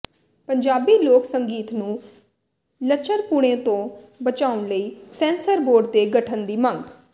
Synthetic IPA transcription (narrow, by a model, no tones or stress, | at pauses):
pəɲd͡ʒaːbiːloːksəŋɡiːt̪nũː | lət͡ʃəɾkuɽ̃ẽːt̪õːbət͡ʃaːʊnləiːsɛ̃ːnsəɾboːɖd̪eːɡəʈʰənd̪iːmə̃ŋɡ